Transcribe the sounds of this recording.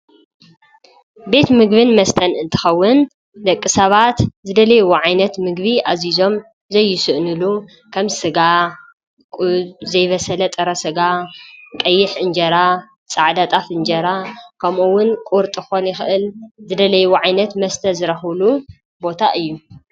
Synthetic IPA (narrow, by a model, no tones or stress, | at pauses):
be̞t̪mɨɡβɨnmɐst̪ʰɐnɨnt̪ʰɨ̥xɐwːʊn | d̪ɐkʼːisɐβat̪zɨd̪ɐlɐjwoʕajnɐt̪mɨɡβiʔazizo̞m | zɐjːɪsɨʔnɨlu | kʰɐmsɨɡa | kʼzɐjβɐsɐlɐt̪ʼɐɾɐsɨɡakʼɐjːɪħʔɨnd͡ʒɐɾa | t͡sʼaʕd̪at̪ʼafɨnd͡ʒɐɾakʰɐmʔuwʊnkʼuɾt̪ʼɨxonjɪxɨʔɨlzɨd̪ɐlɐjwoʕajnɐt̪mɐst̪ʰɐzɨɾɐxlu | bo̞t̪ʰaʔɨjːu